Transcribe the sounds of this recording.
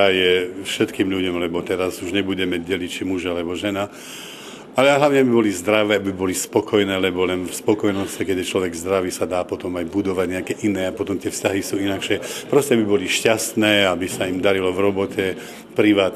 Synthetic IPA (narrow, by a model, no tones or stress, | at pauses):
ajɛfʃɛt̪kiːmʎuɟɔmlɛbɔt̪ɛɾazuʒɲɛbuɟɛmɛɟɛlict͡ʃimuʒaalɛbɔʒɛna | alɛaɦlaʊɲɛabibɔlizd̪ɾaʋɛːabibɔlispɔkɔjnɛːlɛbɔlɛnfspɔkɔjnɔscɛkɛɟɛt͡ʃlɔʋɛɡzd̪ɾaʋiːsad̪aːpɔt̪ɔmajbud̪ɔʋaɟɲɛakɛʔinɛːapɔt̪ɔmt̪ɪɛfscaɦisuːinakʃɛpɾɔscɛabibɔliʃcast̪nɛːabisaimd̪aɾilɔvɾɔbɔcɛ | pɾiʋaːt̪